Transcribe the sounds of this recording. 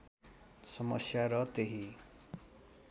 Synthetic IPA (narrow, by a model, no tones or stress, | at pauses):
sʌmʌ̰sjaɾʌt̪eɦi